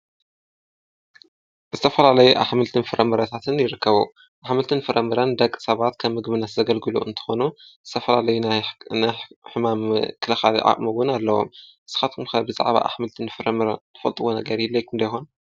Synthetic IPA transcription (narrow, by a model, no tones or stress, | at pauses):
zɨt̪ʰɐfɐlalɐjuʔa̰ħmɨlt̪ʰɨnfɨɾɐmɨɾɐt̪ʰat̪ʰɨnjɪɾɨkːɐβu | ʔaħmɨlt̪ʰɨnfɨɾɐmɨɾand̪ɐkʼːɨ̥sɐβat̪kʰɐβːɨɡβɨnːɐt̪zɐɡɐlɡɨlṵʔɨ̰nt̪ʰɨ̥xo̞nuzɨt̪ʰɐfɐlalɐjunnajħɨmamkʰɨlɐxa̰lḭʔa̰ʔʼmɐβʊnalːɐwo̞̰mʔɨsɨ̥xat̪̚kʰɨmkʰɐbɨza̰ʕβa̰ʔa̰ħmɨlt̪ʰɨnfɨɾɐmɨɾant̪ʰɨ̥fɐlt̪ʼuwonɐɡɐɾjilːɐjkʰɨnd̪ɐjxon